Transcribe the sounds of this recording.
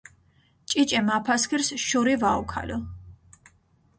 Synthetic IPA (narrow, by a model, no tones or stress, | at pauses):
t͡ʃʼit͡ʃʼɛmapʰaskʰiɾsʃuɾivaukʰa̰lɔ